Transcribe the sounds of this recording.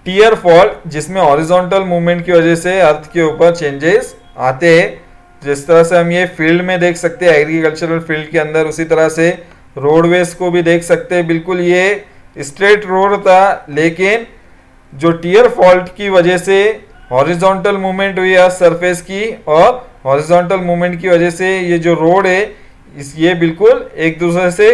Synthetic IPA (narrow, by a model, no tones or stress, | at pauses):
ʈiːjəɾfɔːlʈd͡ʒɪsmẽɦɔːɾɪzɔ̃ːɳʈəlmuːʋmẽɳʈkiʋɐd͡ʒɛseɐɾt̪ʰkeuːpəɾt͡ʃẽːɲd͡ʒɪz | aːt̪eɦɛ̃ | d͡ʒɪst̪ɐɾəseɦɐmjefɪlɖmẽd̪eːkʰsɐk̚t̪ẽɦɛ̃ɛːɡɾikəlt͡ʃəɾəlfɪlɖkeɐ̃nd̪əɾʊsit̪ɐɾəse | ɾoːɽʋeːskobʱid̪eːkʰsɐk̚t̪eɦɛ̃bɪlkʊlje | ɪsʈɾeːʈɾoːɽt̪ʰaleːkɪn | d͡ʒoːʈiːəɾfʰɔːlʈkiʋɐd͡ʒəɦse | ɦɔːɾɪzɔ̃ːɳʈəlmuːʋmẽɳʈbʱiɛsɐɾpʰeːskiɔːɾ | ɦɔːɾɪzɔ̃ːɳʈəlmuːʋmẽɳʈ̚kiʋɐd͡ʒəsejed͡ʒoːɾoːɽɦɛ | ɪjebɪlkʊleːk̚d̪uːs̬ɾese